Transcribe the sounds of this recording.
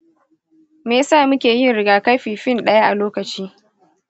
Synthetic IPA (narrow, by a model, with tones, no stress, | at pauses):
meː˨saː˦˨mʊ˦kʲeː˨jɪ˦nɽɪ˨ɡaː˨ka˦jɸiː˨ɸɪ˦˨nɗɐ˦ja˦ʔa˨loː˦kɐ˨t͡ʃiː˦